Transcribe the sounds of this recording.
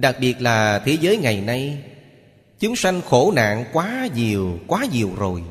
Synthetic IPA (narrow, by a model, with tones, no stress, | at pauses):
ɗa˨˩k̚ɓi˨˩ət̚laː˨˩t̪ʰe˨˦zəː˨˦jŋa˨˩jna˧j | t͡ɕʊ˨˦ŋ͡mswa˧jŋ̟xo˧˩na̰ː˧˨ŋkwaː˨˦ɲi˨˩əwkwaː˨˦ɲi˨˩əwzo˨˩j